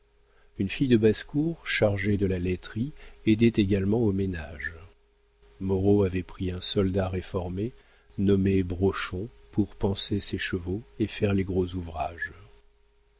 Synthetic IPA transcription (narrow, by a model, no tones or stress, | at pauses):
ynfijd̪əbaskuʁʃaʁʒed̪əlalɛt̪χied̪ɛt̪eɡalmɑ̃omenaʒ | mɔʁoavɛpχiɛ̃sɔld̪aʁefɔʁme | nɔmebʁɔʃɔ̃puʁpɑ̃seseʃəvoefɛʁleɡʁozuvʁaʒ